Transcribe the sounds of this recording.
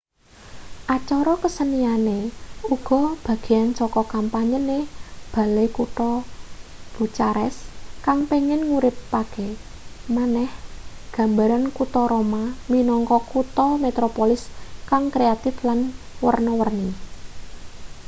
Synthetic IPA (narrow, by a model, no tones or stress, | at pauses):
ʔat͡ʃɔɾɔkəsənianeuɡ̥ɔ̤b̥ä̤ɡ̥e̤ansɔkɔkampaɲəneb̥a̤lekut̪ɔ | b̥ut͡ʃaɾɛskaŋpeŋɪnŋuɾɪpːakɛ | manɛhɡ̥a̤mbaɾankut̪ɔɾomaminɔŋkɔkut̪ɔmet̪ɾopɔlɪskaŋkɾeat̪ɪflan | wərnɔwərni